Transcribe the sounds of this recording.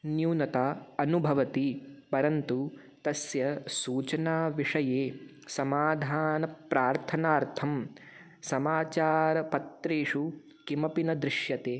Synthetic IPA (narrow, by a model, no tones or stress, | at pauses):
njuːnɐt̪aːɐnubʱɐʋɐt̪ipɐɾɐnt̪u | t̪ɐsjɐsuːt͡ʃɐnaːʋiʂɐjeː | sɐmaːd̪ʱaːnɐpɾaːɾt̪ʰɐnaːɾt̪ʰɐm | sɐmaːt͡ʃaːɾɐpɐt̪ɾeːʂu | kimɐpinɐd̪ɾɪʃjɐt̪eː